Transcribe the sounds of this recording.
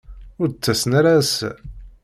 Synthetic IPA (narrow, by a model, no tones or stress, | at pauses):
ʊɾt͡sːæsnɾas